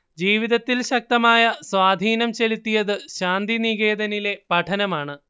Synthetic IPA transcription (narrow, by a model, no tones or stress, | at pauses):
d͡ʑiːʋiðɐt̪ːilɕɐk̚t̪ɐmaːjɐswaːd̪ʱiːnɐmt͡ɕe̞lit̪ːijɐðɨɕaːnd̪iniɣeːd̪ɐnile̞pɐʈʰɐnɐmaːɳɨ